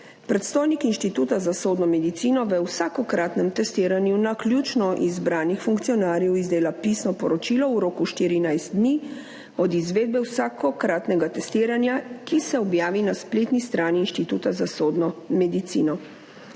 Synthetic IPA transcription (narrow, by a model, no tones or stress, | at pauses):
pɾɛt̪st̪oːjnikinʃt̪it̪uːt̪azasoːd̪nɔmɛd̪it̪sinɔʋɛwsakɔkɾat̪nɛmt̪ɛst̪iːɾanjunaklʲjut͡ʃnɔʔizbɾaːnixfuŋkt̪sijɔnaːɾjɛwizd̪eːlapisnɔpɔɾɔt͡ʃilɔuɾoːkuʃt̪iːɾinajst̪̚d̪ni | ɔd̪izʋeːd̪̚bɛwsakɔkɾaːt̪nɛɡat̪ɛst̪iːɾanjakisɛɔbjaːʋinaspleːt̪nist̪ɾaːniːnʃt̪it̪uːt̪azasoːd̪nɔmɛd̪it̪sḭnɔ